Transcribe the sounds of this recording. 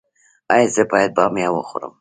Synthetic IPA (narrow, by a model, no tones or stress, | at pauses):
ɑjɑzəbɑjad̪̚bɑmjɑwəxʊ̰ɾə̰m